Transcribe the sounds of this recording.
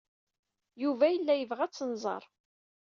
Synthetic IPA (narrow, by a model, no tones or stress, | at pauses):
juvæjəlːæjəvʁæt͡sːənzˤɑ̰ɾˤ